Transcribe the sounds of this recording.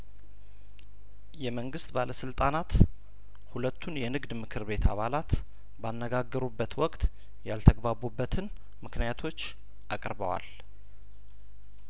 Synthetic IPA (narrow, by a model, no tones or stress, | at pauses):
jɛməŋɡɨst̪baləsɨlt̪ʼanat̪ | hulət̪ʰːunjɛnɨɡd̪mɨkʰɨɾβe̞t̪ʰa̰βalat̪ | banːəɡaɡːəɾubːət̪wɔkʼt̪ | jalt̪ʰəɡbaβubːət̪ʰɨn | mɨknijat̪ʰo̞t͡ʃː | ʔakʼɾbə̰wa̰l